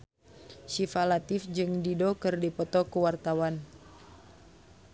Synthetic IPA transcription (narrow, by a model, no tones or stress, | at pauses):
ʃifalat̪ɪfd͡ʒɨŋdidokɨrdipɔt̪ɔkəwart̪awan